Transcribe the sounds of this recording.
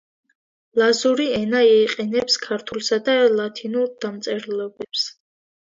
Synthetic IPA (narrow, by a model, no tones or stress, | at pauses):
lazuɾiɛnaiːqʼɛnɛpskʰaɾt̪ʰulˠsad̪alat̪ʰinuɾd̪̥amt̪sʼɛɾlˠɔbɛps